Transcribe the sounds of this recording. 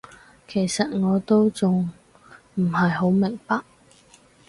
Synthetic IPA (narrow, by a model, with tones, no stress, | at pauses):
kʰe˨˩jsɐ˨t̚ŋɔː˨˧t̪o˥wt͡sʊ˨ŋ | m̩˨˩hɐ˨jho˨˥wmɪ˨˩ŋpɐ˨k̚